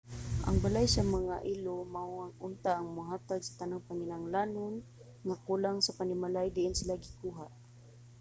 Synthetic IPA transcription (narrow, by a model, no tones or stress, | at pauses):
ʔa̰ŋbalajsamaŋaʔilomaʊaŋʊnt̪aːŋmʊɦaːt̪aɡ̚sḁt̪anaŋpaŋɪnaŋlanʊn | ŋakulaŋsapanɪmalajd̪ɪʔɪnsɪlaɡɪkuɦaʔ